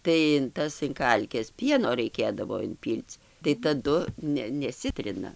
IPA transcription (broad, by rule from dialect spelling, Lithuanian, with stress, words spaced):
tɐɪ ɪn ˈtɐs ɪn ˈkɐlʲkʲɛs ˈpʲiɛnoː rɐɪˈkʲeːdɐʋoː ɪnʲˈpʲiːlʲt͡sʲ tɐɪ tɐˈdʊ ˈnʲɛ nʲɛˈsʲɪtʲrʲɪnɐ